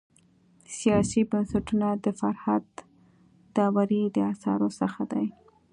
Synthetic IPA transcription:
sijɑsibansaʈunad̪əfaɾhad̪ː | ɑwaɾid̪əasɑ̰ɾosəxad̪aj

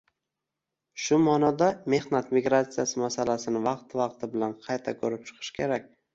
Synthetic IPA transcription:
ʃʊmɒnɒd̪ame̞hnat̪miɡɾat̪sijasɪmasalasɪnɪvɑqt̪vɑqt̪ʰɪbɪlanqʰɑjt̪ʰakʰɵɾɪp̚t͡ʃʰɨ̥qʰɨ̥ʃkʲʰe̞ɾakʲ

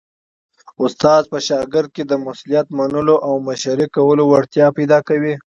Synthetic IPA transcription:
ʊst̪ɑzpəʃɑɡɪɾd̪̚ked̪əmʊslijat̪manəloʔawmaʃaɾikawəlowaɽt̪jɑpajd̪ɑkawi

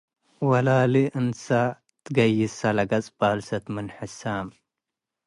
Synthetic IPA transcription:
wɐlaliʔɨnsa | t̪ʰɨɡɐjːɪsalɐɡɐt͡sʼb̥alsɐt̪mɨnħɨsam

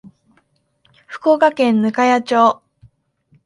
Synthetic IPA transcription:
ɸɯ̟̥koːkakẽ̞nːɯ̟kajat͡ɕoː

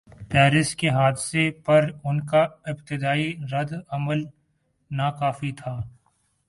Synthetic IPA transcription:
pɛːɾɪskeɦaːd̪sepɐɾʊnkaɪpt̪ɪd̪aːiɾɐd̪ɐməl | nakaːfit̪ʰaː

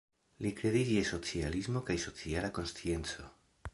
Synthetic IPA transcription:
likɾe̞did͡ʒieso̞t͡sializmo̞kajso̞t͡sialako̞nst͡sie̞nt͡so̞

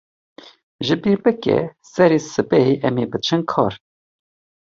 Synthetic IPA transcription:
ʒɨbiːɾbɛkɛ̰sɛɾeːsɨbɛɦeʔɛmeːbɨt͡ʃʰɨnkʰɑ̰ːɾ

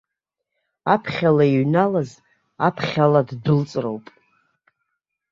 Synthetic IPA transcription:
apʰχʲalaiɥnalaz | apʰχʲaladdɨlt͡sʼro̰wpʼ

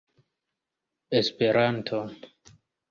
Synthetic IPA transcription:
espe̞ɾantʰo

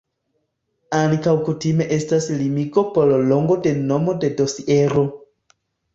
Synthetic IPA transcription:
aŋkawkutime̞ʔe̞staslimiɡo̞pollo̞ŋɡo̞de̞no̞mo̞de̞do̞sieɾo̞

